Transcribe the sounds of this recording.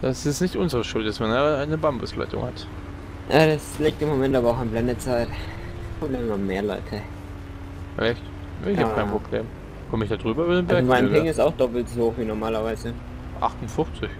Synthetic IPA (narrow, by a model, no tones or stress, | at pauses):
d̥asɪstnɪçtʔʊnzəʁəʃʊlt̚d̥asmanaaɪnəbambʊsla̰ɪtʊ̰ŋhat | ʔaːdasliːk̚tɪmːomɛntʔaːbɐaʊxanblɛndət͡saɪtpʁobleːməmanmeːɐlɔ̰ʏtʰə | ʔɛçt | nːɪçakʰaɪnpʁob̥lḛːm | kʰɔməɪçd̥adʁyːbɐybɐdenbɛɐkmaɪnɪŋɪstaʊxd̥ɔpl̩tzhoːxviːnɔɐmaːlɐvaɪzə | ʔa̰χtʊnfʊft͡sɪç